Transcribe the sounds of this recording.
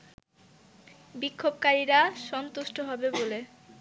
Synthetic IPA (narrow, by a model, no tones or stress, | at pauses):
bikʰːobkaɾiɾaʃɔnt̪uʃʈʰoɦɔbebole